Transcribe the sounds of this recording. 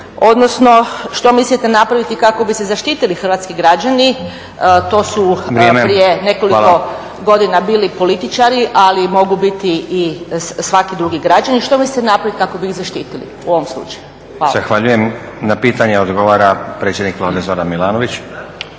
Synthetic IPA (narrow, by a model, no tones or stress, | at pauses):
o̞d̪nosno̞ʃt̪o̞mislit̪enapɾaʋit̪ikako̞bisezaʃt̪iːt̪ilixr̩ʋaːt̪skiɡɾad͡ʒani | t̪o̞ːsuɾemepɾiene̞ko̞liko | ɡo̞d̪inabiːlipo̞lit̪it͡ʃaɾiʔalimo̞ɡubit̪iisʋakid̪ɾuɡiɡɾad͡ʒaniʃt̪o̞mislit̪enapɾaʋit̪kako̞biiɣzaʃt̪iːt̪ilḭuo̞ʋomslˠṵt͡ʃaju | azaxʋaʎujemnapiːt̪aɲeod̪ɡoʋaɾapɾet̪sʲjed̪nikʋlad̪ezod̪anmilˠaːnoʋit͡ɕ